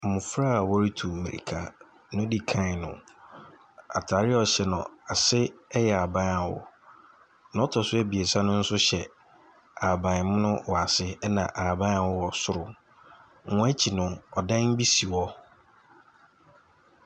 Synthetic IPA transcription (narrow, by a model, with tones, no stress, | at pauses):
m̩˨mʊ̃˨fɾa˦a˨wɔ˦ɾi˦tʰu˨mḛ̃˨ɾḭ˨kʰa˨ | nʊ̃˦di˨kʰã˦˨nʊ̰̃˨ | a̰˨tʰaː˨ɾɪ˦ɔ˨ɕɛ˨nʊ̰̃˨a˨sɪ˦ɛ˦jɛ˨a˨bã˦na˨wʊ̰˨ | nã˨˦ɔ˦tʰɔ˨sʊ˦ɛ˦bi˨e˨sã˦nʊ̃˦n̩˦sʊ˦ɕɛ˨ | a˨bã˨n˨mʊ̃˦nʊ̃˦wɔ˨a˨sɪ˦nã˨ʔa˨bã˦a˨wʊ˦wɔ˨sʊ˦ɾʊ˨ | ʊ̃˨˦æ˦t͡ɕʰi˨nʊ̃˨ɔ˨dã˦ŋ˦bi˦si˨wɔ˦